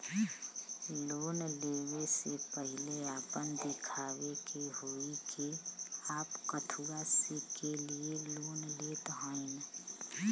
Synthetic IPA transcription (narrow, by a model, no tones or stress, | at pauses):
loːnleːwesepəɦɪleaːpənd̪ɪkʰaːwekeɦoikʰeaːpkət̪ʰuɾasikelieloːnleːt̪ɦãːin